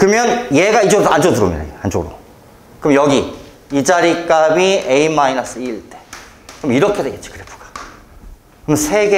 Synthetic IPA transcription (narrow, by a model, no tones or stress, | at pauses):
kɯmjʌnjeɡaid͡ʑoɯɾoand͡ʑodɯɾɯ̰mida̰and͡ʑoɡɯɾo̰ | kɯmjʌɡi | id͡ʑaɾik͈amieimainʌs͈ɯiːɭt͈e̞̥ | kɯmiɾʌkʰe̞dweɡett͡ɕ͈i̥kɯɾepʰu̥ɡ̥ḁ | kɯmjʌnsʰe̞ɡe